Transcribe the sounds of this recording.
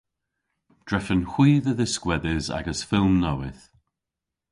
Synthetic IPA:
d̥ɹɛfə̃nxwiːðəðəskwɛdɪza̰ɡəsfɪlˠmnowɪθ

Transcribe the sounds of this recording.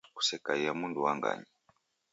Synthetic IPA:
ku̥sɛkaijamunduwaŋɡa̰ɲi

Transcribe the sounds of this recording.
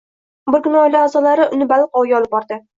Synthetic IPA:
bɪɾɡʲʊnɒjlɪazɒlaɾɪʔʊnɪbalˠqɒwɡʲaɒlɪp̚bɒɾd̪ɪ

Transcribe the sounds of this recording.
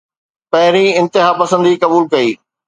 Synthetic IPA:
pɐɦɪɾĩɪ̃nt̪ɪɦaːpɐsə̃nd̪ikɐbuːlkɐiː

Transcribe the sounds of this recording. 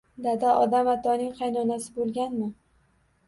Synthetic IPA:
d̪ad̪aʔɒd̪amat̪ʰɒnɪŋqʰɑjnɒnasɪbolˠɡʲanmɪ

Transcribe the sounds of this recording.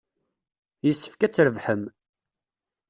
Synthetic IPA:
jəsːə̥fkæt͡sːɾəvħəm

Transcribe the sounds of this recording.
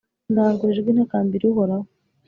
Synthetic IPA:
nɡaɾɡeːʒɡɡinakaːmbiɾiɦoɾa

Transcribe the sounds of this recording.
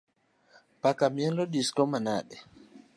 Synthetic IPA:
pakamiɛnlɔɗiskɔmana̰ːɗɛ

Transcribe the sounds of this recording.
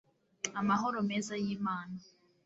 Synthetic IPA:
amaɦɔɾɔmɛzajimaːna

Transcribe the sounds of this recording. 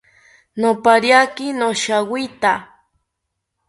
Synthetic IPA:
nopaɾjakɪnoʃawit̪a

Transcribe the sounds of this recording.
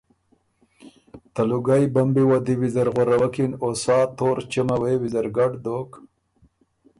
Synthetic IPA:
t̪aluɡajbambiwad̪iwizaɾɣoɾawakinosɑːt̪oːɾt͡ʃamawewizaɾɡaɖd̪oːk

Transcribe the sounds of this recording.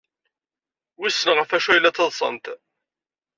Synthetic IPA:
wisːənʁəfæʃujlːæt͡sːɑðˤsˤə̰nt̪

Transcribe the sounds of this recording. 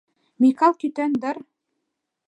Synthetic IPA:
mikɑlˠkit̪ænd̪ɑɾ

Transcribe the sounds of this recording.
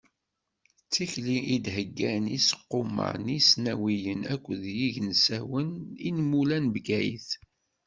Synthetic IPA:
t͡sːiçliʔid̪həɡːænisə̥qːomə̰ʕnisnæwijənækʷːðjiʝnsæwəninmulænbɡæjḭθ

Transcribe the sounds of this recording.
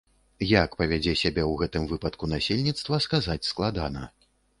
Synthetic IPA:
jakpɐvʲad͡zʲɛsʲabʲɛwɣɛt̪ɨmvɨpɐt̪kunasʲelʲnʲit̪st̪vɐskazat͡sʲsklˠad̪anɐ̰

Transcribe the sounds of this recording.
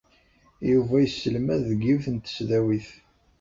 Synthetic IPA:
juvæjəsːəlmæðːɡiwθənt̪ːə̥sðæwiθ

